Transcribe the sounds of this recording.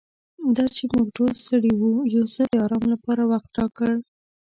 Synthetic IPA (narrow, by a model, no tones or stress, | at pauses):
d̪ɑt͡ʃemuɡʈolst̪əɽiwujawzəd̪əɑɾɑmlapɑɾawaxt̪̚ʈɑkəɽ